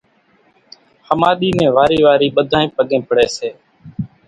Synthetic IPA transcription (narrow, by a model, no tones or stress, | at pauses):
həmaːɗ̪iːnẽːʋaːɾiːʋaːɾiːɓəd̪ʱãːĩːpəɠẽːpəɽeːseː